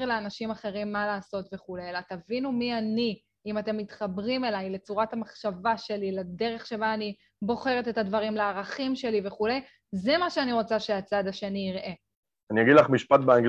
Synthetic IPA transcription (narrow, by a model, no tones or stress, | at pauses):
ʁleanaʃimaχe̞ʁimːalaːso̞tveχulejlatavinumiani | imate̞mːitχabʁime̞lajle̞t͡suʁatamaχʃavaʃe̞lilede̞ʁe̞χʃe̞baːni | bo̞χe̞ʁetethadvaʁimleaʁaχimʃe̞live̞χule̞j | zemaʃeaniʁo̞t͡saʃeat͡sad̪aʃeniiʁʔe | anijaɡid̪laχmiʃpatbeaŋɡ